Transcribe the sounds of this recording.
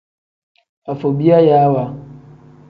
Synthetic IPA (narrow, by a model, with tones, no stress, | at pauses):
a˨fɔ˨bi˦a˦ja˨˦wa˨